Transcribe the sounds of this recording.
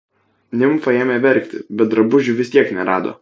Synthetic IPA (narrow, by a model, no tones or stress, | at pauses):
nʲɪmfɐeːmʲeːʋʲɛɾʲˑkʲt̪ʲɪbʲɛt̪̚d̪ɾɐbʊʒʲʊʋʲɪst̪ʲiɛknʲɛɾɑːd̪o̰ː